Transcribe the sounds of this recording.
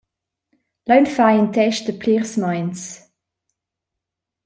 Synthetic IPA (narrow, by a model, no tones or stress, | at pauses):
lə̃ʊ̃nfaɪɪ̃ntʰɛʃðəpʰliʁsmãɪ̃ns